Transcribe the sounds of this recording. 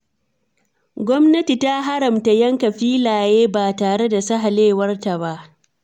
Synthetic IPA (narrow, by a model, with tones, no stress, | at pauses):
ɡʷɔ˦mnɐ˦ti˨ta˦ɦa˦ɽɐ˨mta˨jɐ˦ŋka˨ɸiː˦laː˨jeː˦baː˨taː˨ɽe˦da˨sɐ˦ɦa˨leː˦˨wɐ˦rta˨ba˦ʔ